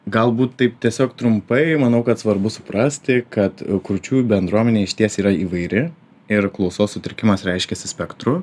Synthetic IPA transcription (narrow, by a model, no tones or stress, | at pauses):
ɡɐlˠbuːt̪tɐɪp̚t̪ʲiɛsʲoːkt̪ɾʊmpɐɪmɐnɐʊkɐt̪sʋɐɾbʊsʊpɾɐsʲt̪ʲɪkɐt̪kɾʊt͡ʃʲuːbʲɛnd̪ɾuɔmʲɛnʲeːɪʃʲt̪ʲiɛsiːɾɐiːʋɐɪɾʲɪ | ɪɾklˠɐʊsoːssʊt̪ʲɪɾɪkʲɪmɐsɾʲɛɪʃʲkʲɛsʲɪsʲpʲɛkt̪ɾʊ